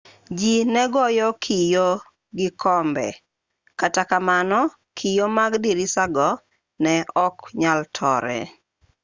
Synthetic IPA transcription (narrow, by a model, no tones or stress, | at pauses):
d͡ʒinɛɡɔjɔkʰijo | ɡɪkʰɔmbɛ̰ | katakamanɔ | kʰijomaɡdiɾisaɡɔ | nɛʔɔkɲaltʰɔ̰ɾɛ̰